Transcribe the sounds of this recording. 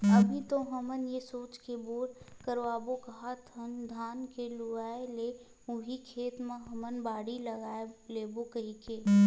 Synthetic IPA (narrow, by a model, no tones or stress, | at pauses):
əbʱit̪oɦəmənjesoːt͡ʃkeboːɽkəɾʋaːbokɐɦat̪ʰənd̪ʱaːnkelʊaːele | ʊɦikʰeːt̪mẽɦəmənbaːɽiləɡaːeleːbokəɦike